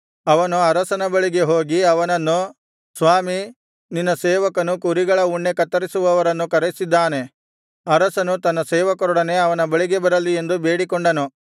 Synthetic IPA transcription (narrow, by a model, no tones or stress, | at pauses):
ɐʋɐnuɐɾɐsɐnɐbɐɭiɡe̞ɦo̞ːɡiɐʋɐnɐnːu | sʋaːmi | ninːɐseːʋɐkɐnukuɾiɡɐɭɐuɳːe̞kɐt̪ːɐɾisuʋɐʋɐɾɐnːukɐɾesid̪ːaːne̞ | ɐɾɐsɐnut̪ɐnːɐseːʋɐkɐɾɔɽɐne̞ɐʋɐnɐbɐɭiɡe̞bɐɾɐlie̞nd̪ube̞ːɽikɔɳɖɐnu